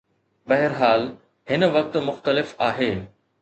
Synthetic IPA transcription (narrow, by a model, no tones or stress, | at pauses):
bɐɦɪɾɦaːl | hɪn̆ʋɐk̚t̪mʊxt̪əlɪfaːɦeː